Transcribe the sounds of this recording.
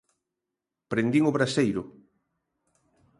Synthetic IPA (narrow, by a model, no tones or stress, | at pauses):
pɾend̪iŋoβɾasejɾʊ